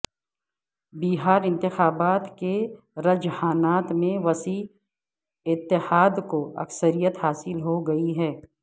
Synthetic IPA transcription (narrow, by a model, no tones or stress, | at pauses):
biːɦaːɾɪ̃nt̪ɪxaːbaːt̪ke | ɾɐd͡ʒhaːnaːt̪mẽʋɐsiː | ɪt̪ːɪhaːd̪koɐ̰ksəɾijət̪haːsɪlɦoɡɐiɦɛː